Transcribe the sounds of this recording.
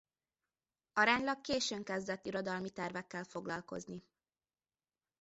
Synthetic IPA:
ɒɾaːɲlɒkːeːʃøːŋkɛzd̪ɛt̪ːiɾo̞d̪ɒlmit̪ɛrvɛkːɛlfo̞ɡlɒlko̞̰zni

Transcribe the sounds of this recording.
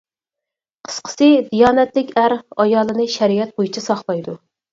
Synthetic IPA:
qʰə̥sqʰə̥sɨd̪ijɑːnɛt̪lɪkʲæɾɑjɑːlˠɨnɨʃɛɾijɛt̪̚bojit͡ʃʰɑsɑχlˠɑjd̪u

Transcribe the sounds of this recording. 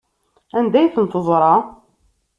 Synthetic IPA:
ænd̪æjθənt̪oðˤɾˤɑ

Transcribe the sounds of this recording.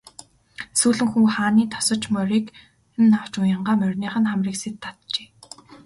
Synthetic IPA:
suːɮɘ̆ŋxuːχaːniːt̪ʰɔ̥sɞ̆t͡ɕmœɾiːk | nːaw̥t͡ɕʊjə̆ɴɢaːmœrʲniːχə̆nχamriːkset̪ʰːat̪t͡ɕeː

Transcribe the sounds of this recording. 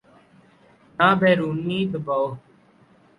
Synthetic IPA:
nãːbʱeːɾuːnĩːd̪əbaoː

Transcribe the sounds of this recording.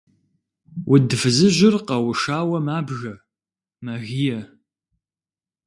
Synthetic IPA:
wʔʊdfɨzɨʑɪrqɐwʊʂaːwɐmaːbʒɐ | mɐɣijɛ

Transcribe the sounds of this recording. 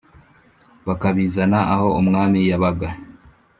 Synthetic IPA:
βakaβiːzanaʔaho̞umŋaːmijaβaɡa

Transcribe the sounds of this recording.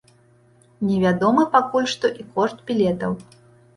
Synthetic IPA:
nʲɛvʲad̪ɔmɨpakulʲʂt̪ɔʔikɔʂt̪̚bʲilʲɛt̪ɐw

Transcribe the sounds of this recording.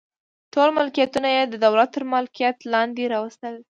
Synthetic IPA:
ʈolmalkijat̪unajed̪əd̪awlat̪ːəɾmalkijat̪lɑnd̪eɾɑwəst̪əl

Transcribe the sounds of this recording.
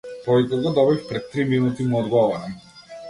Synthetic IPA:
pɔvit̪ɛɡɔd̪ɔbifpɾɛt̪ːɾiminut̪imuɔd̪ɡɔvɔɾam

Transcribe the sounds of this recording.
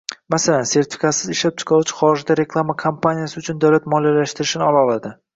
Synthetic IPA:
masalanse̞ɾt̪ʰɪ̥fʲikat̪sɪzɪʃlap̚t͡ʃʰɪ̥qʰɑlʊt͡ʃʰɪ̥χɒɾɪd͡ʒd̪aɾe̞kʰlˠamakʰompʰanijasɪʊt͡ʃʰʊnd̪awlat̪mɒlijalaʃt̪ɪɾɪʃɪnɪɒlˠɒlˠad̪ɪ

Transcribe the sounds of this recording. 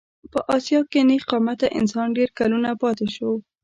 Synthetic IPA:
pəʔɑsjɑkeneqɑmat̪aʔɪ̰nsɑnɖeɾkalunapɑt̪eʃow

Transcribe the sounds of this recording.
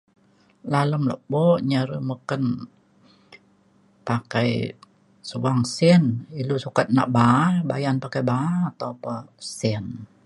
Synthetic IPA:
laləmlɔ̰ʔbɔʔɲaɾəməkən | pakaj | suwaŋsɛnilusukat̪̚na̰ʔbabajanpakajbat̪opəsɛn

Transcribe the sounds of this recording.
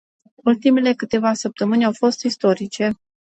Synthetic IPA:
ult̪imele̞kɨt̪e̞vasəp̚t̪əmɨnʲawfo̞st̪ist̪o̞ɾit͡ʃe̞

